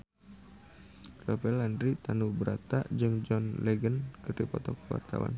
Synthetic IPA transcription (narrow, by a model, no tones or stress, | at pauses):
rɔpɛlandɾit̪anubəɾat̪aʔd͡ʒɨŋd͡ʒɔnlɛɡənkɨrdipɔt̪ɔk̚wa̰rt̪a̰wa̰n